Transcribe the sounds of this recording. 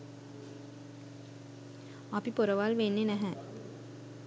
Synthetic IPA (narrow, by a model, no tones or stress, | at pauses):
apipoɾəʋalʋenːenɛɦɛ